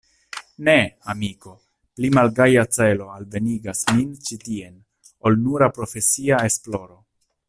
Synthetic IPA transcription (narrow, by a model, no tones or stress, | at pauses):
ne̞amiko̞ | plimalɡajat͡se̞lo̞alve̞niɡasmint͡ʃitie̞n | o̞lnuɾapɾo̞fe̞siae̞splo̞ɾo̞